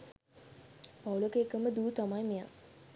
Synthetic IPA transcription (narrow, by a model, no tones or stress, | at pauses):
pawulokeːkəməd̪uːt̪amajmeja